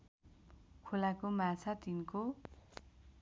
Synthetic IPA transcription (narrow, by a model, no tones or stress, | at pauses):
kʰolakomat͡sʰat̪inko